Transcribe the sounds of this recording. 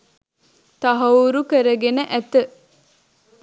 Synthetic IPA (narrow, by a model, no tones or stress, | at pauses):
t̪ɐɦɐuɾukəɾəɡenəʔæt̪ə